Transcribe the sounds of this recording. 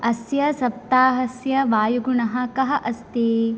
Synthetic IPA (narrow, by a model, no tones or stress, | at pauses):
ɐsjɐsɐp̚t̪aːɦɐsjɐʋaːjuɡuɳɐɦɐ̆kɐɦɐʔɐst̪eː